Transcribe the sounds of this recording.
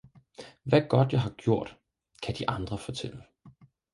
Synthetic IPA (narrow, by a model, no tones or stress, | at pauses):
ʋæɡ̥ɒ̽d̥jaɦɑ̈ɡ̥jo̝ɐ̰d̥ | kʰæd̥iʔɑ̈nd̥ʁɐfɒ̽t͡sʰel̰ə